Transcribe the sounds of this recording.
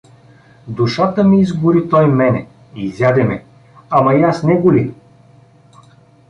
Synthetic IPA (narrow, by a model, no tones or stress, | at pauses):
d̪uʃat̪əmiizbʊɾit̪ɔjmɛnɛ | izʲjad̪ɛmɛ | amɐjasnɛɡʊli